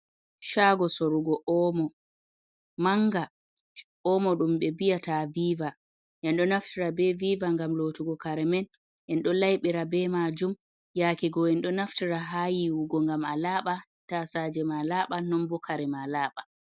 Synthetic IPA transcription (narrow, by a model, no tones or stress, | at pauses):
ʃaːɡɔsoɾuɡɔʔɔmɔ | maŋɡa | ʔɔmɔɗumɓɛbijataviːva | ʔɛnɗɔnaftiɾabɛviːvaŋɡamlotuɡɔkaɾɛmɛn | ʔɛnɗɔlajɓiɾabɛmad͡ʒum | jaːkiɡɔɛnɗɔnaftiɾaɦaːjiwuɡɔŋɡamalaːɓa | tasad͡ʒɛmalaɓanɔmbɔkaɾɛmalaːɓa